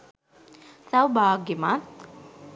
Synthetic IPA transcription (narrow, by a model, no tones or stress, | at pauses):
sawbaːɡima